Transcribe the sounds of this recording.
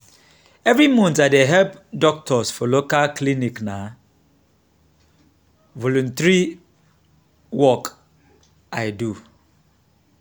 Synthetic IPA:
ɛvɹimɔ̃ntaɪdeɦɛlpdɔk̚tʰɔsfɔlokalklinikna | vɔlũntɹi | wɔk | aɪdu

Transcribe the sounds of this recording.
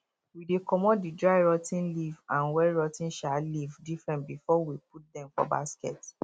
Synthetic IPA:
widekɔmɔdidɹaɪɹɔtĩnlivãnwɛɹɔtĩnʃalivdifɹɛ̃ntbifɔwip̚ut̚dɛ̃mfɔ̰ba̰skɛ̰t

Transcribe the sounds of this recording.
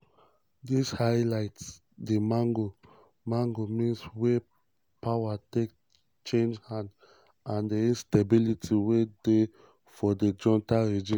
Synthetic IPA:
dishaɪlaɪts | demãŋɡo | mãŋɡomĩnswe | pawatek | t͡ʃẽnd͡ʒhãnd | ãndeĩnstebilitʰiwede | fɔded͡ʒɔ̃ntaɹid͡ʒĩn

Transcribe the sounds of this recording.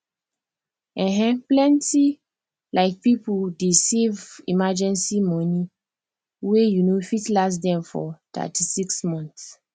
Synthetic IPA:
ʔɛ̃ɦɛ̃plɛ̃nti | lʔaɪk̚pipudesevḭmad͡ʒɛ̃nsimɔni | wejunofitlas̬dɛ̃mfɔ̰t̪a̰tʰisiksmɔ̃nθs

